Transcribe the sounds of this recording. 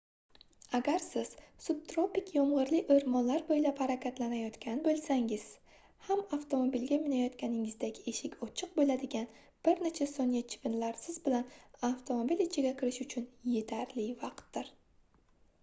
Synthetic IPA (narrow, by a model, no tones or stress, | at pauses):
aɡʲaɾsɪz̥sub̚t̪ɾopɪkʲʰjɒmʁɨɾlɪʔɵɾmɒnlaɾbojlaphaɾakʲʰat̪lanajɒt̪kʲʰanɪbolˠsaŋɪz̥ | hamaft̪ʰo̞mobilɡʲamɪnajɒt̪kʲanɪŋɪzd̪aɡʲe̞ʃɪkʲʰɒt͡ʃʰɨq̚bolad̪ɪɡʲan | b̥ɪɾnet͡ʃʰasoŋjat͡ʃʰɪ̥vɪnlaɾsɪzbɪlanaft̪ʰo̞mobilɪt͡ʃʰɪɡʲakʲʰɪɾɪʃʊt͡ʃʰʊnje̞t̪ʰaɾlɪvɑqt̪ːɪɾ